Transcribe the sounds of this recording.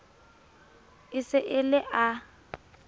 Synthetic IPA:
ɪsɪʔɪlɪʔa

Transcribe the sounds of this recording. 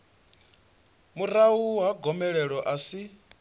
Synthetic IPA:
murawuɦaɡʱɔmɛɺɛɺɔʔasi

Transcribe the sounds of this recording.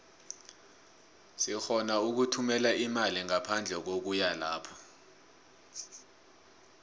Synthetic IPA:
sixɔnauk̬utʰumɛlaʔimaliŋapʰand͡ɮʱɛk̬ok̬ujalaːpʰɔ̥

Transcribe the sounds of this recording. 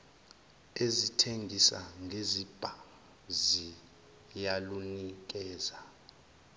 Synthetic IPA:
ezitʰeŋɡʱisa̰ŋɡʱezib̥ʱa | zi | jalunik̬ʼɛːza

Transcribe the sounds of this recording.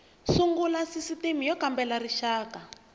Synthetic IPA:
suŋɡulasisitimijɔkambɛlariʃaːka

